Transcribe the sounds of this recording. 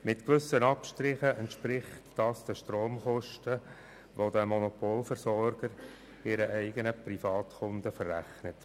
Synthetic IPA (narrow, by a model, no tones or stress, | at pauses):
mɪtkʋʏsənɑpʃtɾɪχəʔɛntʃpɾɪχtd̥ɑsd̥əʃtroːmχɔʃtə | ʋodəmɔnopoːlfəɾsɔɾɡ̥əɾ | ɪɾəʔɛɪɡənəprifɑːtxʊndəfərːæχnət